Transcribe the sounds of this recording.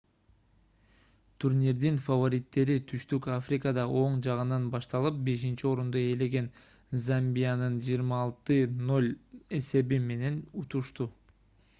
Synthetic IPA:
t̪ʰuɾnʲiɾd̪infɐvo̞ɾʲit̪ːe̞ɾit̪ʰyʃt̪ykafrʲikəd̪ɑʔo̞ɴd͡ʒɑʁɯnɑnbɑʃt̪ɑlˠɯp̚be̞ʃ̬int͡ʃio̞ɾund̪oe̞le̞ɡe̞n | zambʲijanɯnd͡ʒijːɾmɑːlˠt̪ɯno̞lʲe̞se̞bime̞ne̞nut̪uʃt̪u

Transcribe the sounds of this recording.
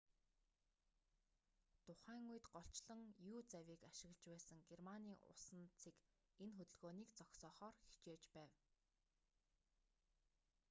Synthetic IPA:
t̪ʰʊχæːŋujɘ̆t̪ɢɔɬt͡ɕɮə̆ŋjuːt͡sæwʲiːkaʃɪ̆ɣ̆ɮt͡ɕpæːsə̆ŋɡermaniːʔʊ̰sə̆nt͡sʰiːk | enxɵt̪ɵ̆ɮɣoːniːkt͡sɔksɔːχɔːrxi̥t͡ɕeːt͡ɕpæːw

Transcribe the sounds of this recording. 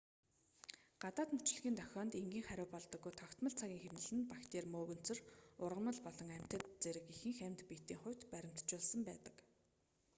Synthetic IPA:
ɢ̥at̪aːt̪mut͡ɕ̆ɮɣʲiːnt̪ʰœxʲɔːnt̪eŋɡʲiːŋχæɾʲʊːpɔɮt̪ɞ̆ɡːujt̪ʰɔkt̪mə̆ɮt͡sʰaɣʲiːŋxemnɘ̆ɮɘ̆npakt̪eːrmoːɣɵ̆n̥t͡sɵ̆rʊrʁə̆mə̆ɮpɔɮɞ̆ŋæm̥ʲt̪ə̆t̪t͡seɾɘ̆kixɘ̆ŋxæmt̪pit̪iːŋχʊ̟wʲt̪pæɾʲɪ̆m̥t̪t͡ɕʊːɮsə̆mpæːt̪ə̆k

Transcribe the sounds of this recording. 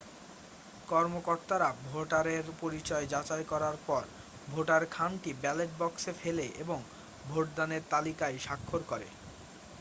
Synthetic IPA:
kɔɾmokoɾt̪aɾabʱoʈaɾeɾpoɾit͡ɕɔed͡ʑat͡ɕaekɔɾaɾpɔɾ | bʱoʈaɾkʰanʈibɛleʈ̚bɔksefʰeleʔeboŋ | bʱoʈ̚d̪aneɾt̪alikaeʃakʰːoɾkɔɾḛ

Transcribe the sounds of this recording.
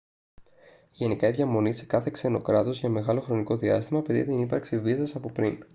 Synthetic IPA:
ʝe̞nikɐiðʝɐmo̞nise̥kɐθe̞kse̞no̞kɾɐt̪o̞zʝɐme̞ɣɐlo̞xɾo̞niko̞ðiɐ̰st̪imɐpeðḭt̪inipɐɾksivisɐsɐpopɾin

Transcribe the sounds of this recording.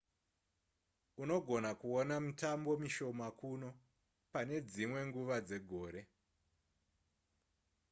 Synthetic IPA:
uno̞ɡʱo̞nakuonamutambo̞miʃo̞makuno̞ | pane̞d͡zimwe̞ŋɡuʋad͡ze̞ɡʱo̞ːɾe̞

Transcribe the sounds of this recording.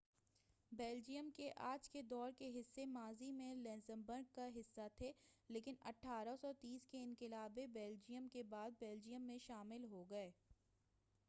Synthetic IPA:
bɛːld͡ʒijəmkeʔaːd͡ʒked̪ɔːɾkeɦɪsːemaːzimẽlɛ̃ːnzə̃mbəɾɡ̚kaɦɪsːat̪ʰeːleːkɪnɐ̰ʈʰːaːɾasɔːt̪iːskeɪ̃nkɪlaːbebɛːld͡ʒijəmkebaːd̪̚bɛːld͡ʒijəmːẽʃaːmɪlɦoɡɐeː

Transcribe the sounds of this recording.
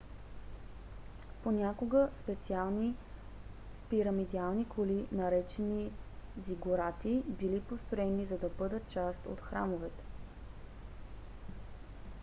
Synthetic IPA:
ponʲakoɡəspɛt̪sialˠni | piɾəmid̪alˠnikʰolinɐɾɛt͡ʃɛniziɡʊɾat̪ibilipost̪ɾoɛnizɐd̪ɐbɤd̪ət̪̚t͡ʃast̪o̰t̪xɾa̰movɛt̪ɛ̥

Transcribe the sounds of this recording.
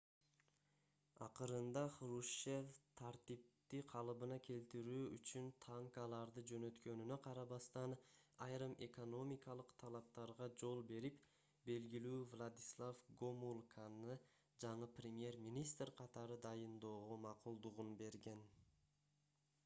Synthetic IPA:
ɑ̰qɯɾɯnd̪ɑχɾuʃeft̪ʰaɾt̪ip̚t̪iqʰɑlˠɯβɯnɑkʲʰe̞lt̪iɾyːyt͡ʃynt̪ʰaŋkɑlˠɑɾd̪ɯd͡ʒø̞nø̞t̪kø̞nynøqʰɑɾɑβɑst̪ɑnɑjɾɯmʔe̞ko̞no̞mʲikɑlˠɯqt̪ʰɑlˠɑp̚t̪ɑɾʁɑd͡ʒo̞lˠbe̞ɾip | be̞lɡilyːvlˠad̪islˠafɡomulˠkʰanɯ | d͡ʒɑɴɯprʲɪmje̞rmʲinʲist̪rqʰɑt̪ɑɾɯd̪ɑjɯnd̪o̞ːʁomɑqulˠd̪uʁunbe̞ɾɡe̞n

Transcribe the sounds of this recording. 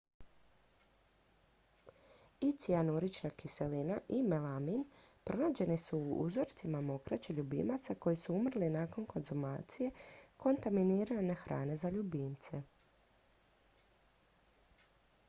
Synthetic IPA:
it̪sianuɾit͡ʃnakise̞linaʔimelamin | pɾo̞naːd͡ʑe̞nisuːṵzo̞ɾt̪simamo̞kɾat͡ʃeʎubḭmat̪sako̞jisuumr̩linaːko̞nko̞nzuma̰ːt̪sije̞ko̞nt̪aminiɾane̞xɾa̰ːne̞zaʎubiːnt̪se̞

